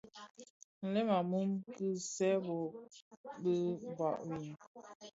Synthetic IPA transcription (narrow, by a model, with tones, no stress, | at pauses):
n̩˨lɛ˦ma˨mu˦mkɨ˦sɛ˦bɔ˨ | bə˦ba̰˨ʔwi˨n